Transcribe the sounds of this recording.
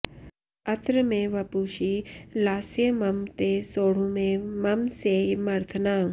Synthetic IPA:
ɐt̪ɾəmẽʋɐpuʃilaːsjəmɐmt̪esoːɽ̤ũmẽmɐmseːmɐɾt̪ʰənaː

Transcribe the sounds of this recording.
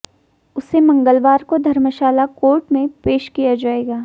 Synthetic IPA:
ʊsemɐ̃ŋɡəlʋaːɾkod̪ʱɐɾməʃaːlakoːɾʈmẽpeːʃkijad͡ʒaːeːɡaː

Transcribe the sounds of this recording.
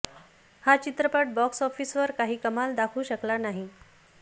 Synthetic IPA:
hat͡ɕit̪ɾəpaʈ̚bɔksɔfiːsʋəɾkaɦiːkəmald̪akʰuːɕəklanaɦi

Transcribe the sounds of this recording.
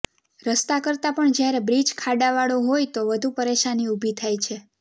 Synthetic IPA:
ɾəst̪akəɾt̪apəɳd͡ʒjaɾebɾid͡ʒkʰaɖaʋaɭoɦojt̪oʋəd̪ʱupəɾeʃaniubʱit̪ʰajt͡ʃʰe

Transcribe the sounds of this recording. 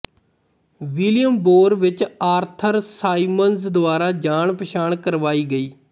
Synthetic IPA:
ʋɪlɪjəmboːɾʋɪt͡ʃaːɾt̪ʰəɾsaːiːmənsd̪ʊaːɾaːd͡ʒaːɳpəʃaːɳkəɾʋaːiːɡəiː

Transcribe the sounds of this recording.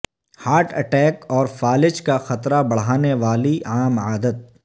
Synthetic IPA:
haːɾʈʰɐ̰ʈɛːkɔːɾfaːlɪt͡ʃkaxɐt̪ɾabɐɽ̤aːneʋaːliaːmaːd̪ət̪̚

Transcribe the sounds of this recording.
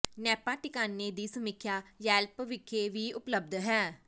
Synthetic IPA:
nɛːpaːʈɪkaːnːeːd̪iːsəmɪkʰːjaːjɛːlpʋɪkʰːeːʋiːʊpləb̚d̪ɦɛː

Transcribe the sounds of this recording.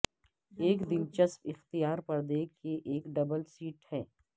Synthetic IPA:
eːkd̪ɪnt͡ʃɐspɪxt̪ijaːɾpɐɾd̪eːkːeʔeːkɖɐbəlsiːʈhɛː

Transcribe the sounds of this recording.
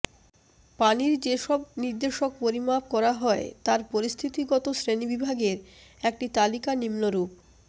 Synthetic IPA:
paniɾd͡ʑeʃɔbniɾd̪eʃok̚poɾimap̚kɔɾaɦɔet̪aɾpoɾist̪ʰit̪iɡɔt̪osɾenibibʱaɡeɾek̚ʈit̪alikanimnoɾup

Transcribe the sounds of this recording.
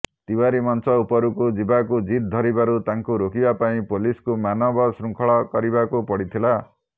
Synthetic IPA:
t̪ibaɾimʌnsʌupʌɾukod͡ʒibakud͡ʒit̪̚d̪ʱʌɾibaɾut̪aŋkuɾokibapaĩpoliskumanʌbɔsɾuŋkʰɔɭɔkʌɾibakupɔɽit̪ʰila

